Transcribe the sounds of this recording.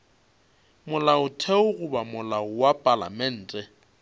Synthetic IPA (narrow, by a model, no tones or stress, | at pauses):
mʊlaʊtʰeʊɣʊbamʊlaʊwapʼala̰mɛn̩ːtʼɛ